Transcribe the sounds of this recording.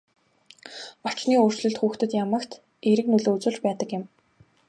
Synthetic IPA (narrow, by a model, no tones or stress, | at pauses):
ɔt͡ɕniːʊr̥t͡ɕɮɵ̆ɬt̪xuːxt̪ɵ̆t̪jamə̆kt̪ | eɾɘ̆k̚nɵɮoːt͡sɵ̆ːɮt͡ɕpæːt̪ə̆kjɪ̆m